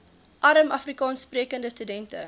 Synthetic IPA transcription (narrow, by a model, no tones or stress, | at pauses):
ʔɐɾəmɐfrikɑːnspriəkəndəstydɛntə